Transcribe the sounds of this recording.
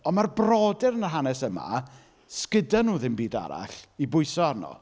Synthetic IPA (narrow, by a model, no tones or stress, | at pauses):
ɔnmarbrɔːdɪɾənərɦanɛsəma̰ | skɪdanuːðɪnbiːda̰ɾa̰ɬibʊjsɔarnɔ̰